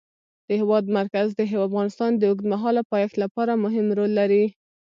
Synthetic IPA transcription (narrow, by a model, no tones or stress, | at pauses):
d̪̥əhɪwɑd̪maɾkazd̪əɦewfɣɑnɪst̪ɑnd̪əʊɡd̪maɦɑlapɑjɑxt̪lapɑɾamʊɦɪmɾolːaɾi